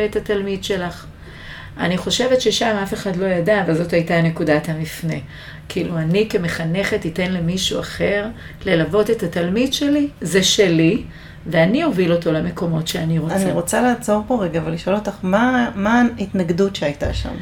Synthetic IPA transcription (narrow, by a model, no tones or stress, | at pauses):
eetatalmidʃe̞laχ | a̰niχo̞ʃe̞vetʃeʃamafe̞χadlo̞jadaːvalzo̞thajtane̞kudathamifne̞ | kiluanike̞meχane̞χe̞tite̞nlemiʃuaχe̞ʁ | le̞lavo̞te̞tatalmidʃe̞lizeʃe̞li | veanio̞vilo̞to̞leme̞ko̞mo̞tʃeaniʁoaniʁo̞t͡salaːt͡so̞ʁpoʁeɡaːvaliʃo̞lotaχmamaitnaɡdutʃeajta̰ʃa̰m